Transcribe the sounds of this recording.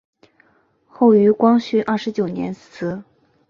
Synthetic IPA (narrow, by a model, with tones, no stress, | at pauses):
xo˥˩ʊy˧˥kwɑ˥ŋɕy˥ʔɐ˥˩ʂɻ̩˧˥t͡ɕjo˨˩ʊnjɛ̰˧˥ns̩˧˥